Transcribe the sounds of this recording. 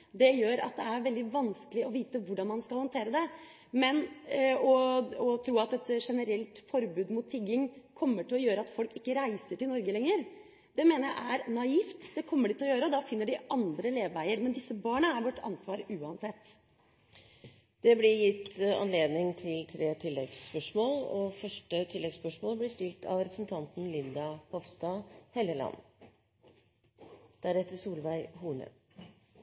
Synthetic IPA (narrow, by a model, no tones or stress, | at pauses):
d̪ɛjøːɾɑ̰t̪̚d̪ɛæɾʋɛld̪ɪʋɑnskəlɪɔʋiːt̪əʋʊɖɑnmɑnskɑlhɔnt̪ʰeːɾəd̪ɛ | mɛnɔɔt̪ʰɾuːɑt̪ɛt̪ʂɛnəɾɛlt̪fɔɾbʉːd̪mʊt̪ʰːɪɡːɪŋkʰɔmːəʈɪlɔjøːɾəɑt̪fɔlkɪkːəɾæɪsəʈɪlnɔɾɡəlɛŋːəɾ | d̪̥ɛmeːnəɾjæɪʔæɾnɑiːft̪d̪ɛkʰɔmːəɖɪt̪ɪlɔjøːɾəɔd̪ɑfɪnːəɖɪʔɑnd̪ɾəleːʋːæɪəɾmɛnd̪ɪsːəbɑːɳəæɾʋɔʈːʰɑ̰nsʋɑːɾʉːɑnsɛt̪ː | d̪̥ɛblɪjɪt̪ːɑ̰nleːd̪nɪŋt̪ʰɪlt̪ʰɾeːt̪ʰɪlːɛɡspœʂmoːlɔfœʂʈət̪ʰɪlːɛɡspœʂmoːlblɪst̪ɪlt̪ʰɑ̰ʋɾɛpɾəsn̩t̪ʰɑnt̪n̩lɪnd̪ɑpɔʋst̪ɑhɛləlɑ̰nː | d̪̥æɾɛt̪ːəsuːlʋæɪhuːɳə̰